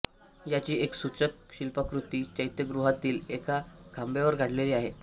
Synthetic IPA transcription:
jat͡ɕiːeksut͡sək̚ɕilpəkɾut̪iːt͡ɕəjt̪jəɡɾuɦat̪iːlekakʰambjaʋəɾɡʱaɽ̤leliːaɦe

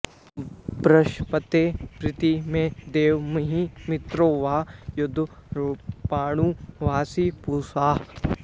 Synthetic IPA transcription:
bɾɐʃpət̪eːpɾɪt̪imẽd̪eːʋmɐɦĩmɪt̪ɾoːʋaːjʊd̪ʱɾpaːɽ̃ũːʋaːsiːpuːsaːɦ

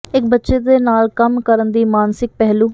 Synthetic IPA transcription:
ɪkbətːʃeːd̪eːnaːlkəmkəɾənd̪iːmaːnsɪk̚pɛɦluː

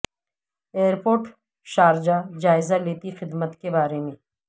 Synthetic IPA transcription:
eːəɾpoːɾʈ | ʃaːɾd͡ʒad͡ʒaːɪzaleːt̪ixɪd̪mət̪kebaːɾemẽː

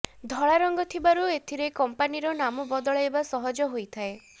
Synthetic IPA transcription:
d̪ʱɔɭaɾɔŋɡɔt̪ʰibaɾuet̪ʰiɾekɔmpaniɾɔnamɔbɔd̪ɔɭɔebasɔɦɔd͡ʒɔɦojt̪ʰae

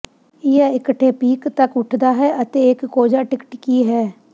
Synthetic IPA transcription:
ɪjaːɪkəʈʰːeːpiːkt̪əkʊʈʰd̪aːɦɛːʔət̪eːɪkːoːd͡ʒaːʈɪkəʈkiːɦɛː

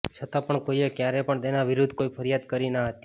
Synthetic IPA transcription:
t͡ʃʰət̪ãpəɳkoiekjaɾepəɳt̪enaʋɪɾʊd̪ʱkoipʰəɾjad̪kəɾinaɦət̪i̥

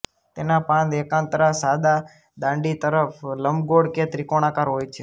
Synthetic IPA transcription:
t̪enãpãnd̪ekãːnt̪ɾasad̪a | d̪ãːɳɖit̪əɾəfʰləmɡoɽket̪ɾikoɽ̃ãkaɾɦojt͡ʃʰe

